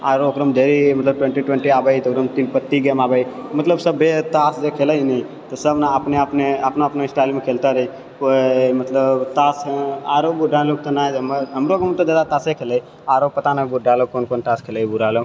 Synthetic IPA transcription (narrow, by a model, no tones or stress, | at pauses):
aːɾokɾəmd̪eɾimɐt̪ləb̚ʈwẽɳʈiʈwẽɳʈiaːbəit̪ːkɾəmt̪iːnpət̪ːiɡeːmaːbəimɐt̪ləbsəbʱet̪aːsd͡ʒekʰeːləinəĩ | t̪osəbnaapnepneapnoapnoɪsʈaːlmekʰeːlt̪aɾəi | komɐt̪ləbt̪aːsaːɾobʊɖʱaloːk̚t̪onaːd̪mɦəmɾokmt̪od̪aːd̪at̪aːsekʰeːləi | aːɾopːɐt̪anəbʊɖʱaːlokoːnkoːnʈaːskʰeːləibuɾaːlo